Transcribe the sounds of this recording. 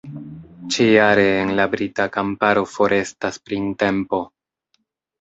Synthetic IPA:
t͡ʃejaɾe̞ːnlabɾitakampaɾo̞fo̞ɾʔe̞staspɾinte̞mpo̞

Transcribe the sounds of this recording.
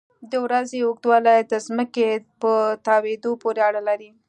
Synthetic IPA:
d̪əwɾazeʊɡd̪wɑlajd̪əzməkepət̪ɑwed̪opoɾeaɽəlaɾi

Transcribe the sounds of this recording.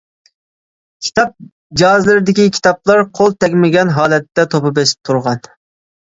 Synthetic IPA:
kʲʰi̥t̪ʰɑp̚ | d͡ʒɑzlɪɾɪd̪ɪkʲikʲʰi̥t̪ʰɑp̚lˠɑɾqʰolˠt̪ʰɛkʲmɪɡʲɛnɦɑːlˠɛt̪ːɛt̪ʰopɑbesɪ̥p̚t̪ʰuɾʁɑn

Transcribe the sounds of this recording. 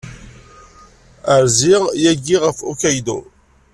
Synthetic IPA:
əɾziʁjæɡiʁəfṵkæjd̪o̰

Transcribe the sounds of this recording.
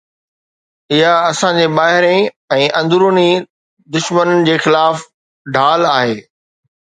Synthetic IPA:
ɪɦaɐsãɲd͡ʑebaːɦɪɾẽ | ɛ̃ːʔɐ̃nd̪ʊɾuni | d̪ʊʃmənəɪ̆d͡ʑeːxɪlaːf | ɖʱaːlaːɦeː

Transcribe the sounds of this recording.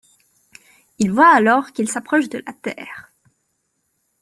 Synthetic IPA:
ilvwaːlɔʁkilsapχɔʃd̪əlat̪ɛːʁ

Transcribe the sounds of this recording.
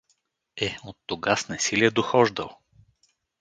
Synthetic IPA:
ɛot̪ːoɡasnɛsiliɛd̪oxɔʒd̪ə̰lˠ

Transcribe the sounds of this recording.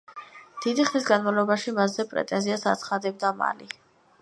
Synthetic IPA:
d̪̥id̪iχnis̬ɡanmavlˠɔbaʃimasːɛpʼɾɛ̰t̪ʼɛnziasa̰t̪sʰχad̪ɛb̚d̪ama̰li

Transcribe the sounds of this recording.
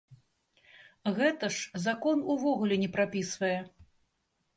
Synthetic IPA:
ɣɛt̪ɐʂzakɔnuvɔɣulʲɛnʲɛpɾapʲisvɐjɛ

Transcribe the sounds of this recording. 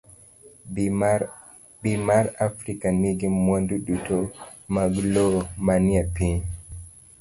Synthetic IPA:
bimaɾafɾikaniɡimːonduɗutɔmaɡlɔmaniapi

